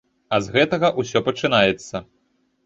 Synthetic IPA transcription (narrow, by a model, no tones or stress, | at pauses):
ɐzɣɛt̪ɐɣɐʔusʲɔpɐt͡ʂɨnajɛt̪sːɐ